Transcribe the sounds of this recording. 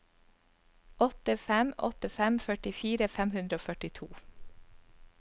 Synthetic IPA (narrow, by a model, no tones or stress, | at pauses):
ɔt̪əfɛmɔ̰t̪əfɛmfœʈɪfiːɾəfɛmhʉnɾəoːfœʈɪt̪ʰuː